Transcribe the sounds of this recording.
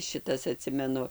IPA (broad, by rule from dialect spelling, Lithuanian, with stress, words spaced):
ˈʃʲɪtɐs ɐˈtʲsʲɪmʲɛnʊ